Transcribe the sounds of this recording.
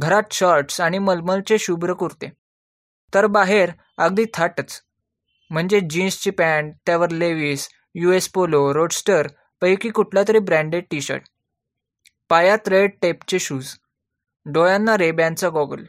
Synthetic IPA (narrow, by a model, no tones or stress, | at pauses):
ɡʱəɾat̪ɕɔɾʈsaɽ̃iməlməlt͡seɕubɾəkuɾt̪e | t̪əɾbaɦeɾ | əɡ̚d̪iːt̪ʰaʈət͡s | m̤əɳd͡zed͡ʑinst͡ɕipæɳt̪jaʋəɾleʋiːs | juespoloɾoɖsʈəɾ | pəjkikuʈʰljat̪əɾiːbɾæ̃ɳɖeɖʈiɕə̰ɾʈ | pajat̪ɾeɖ̚ʈept͡ɕeɕuːd͡z | ɖojãnːaɾebjant͡saɡɔɡəl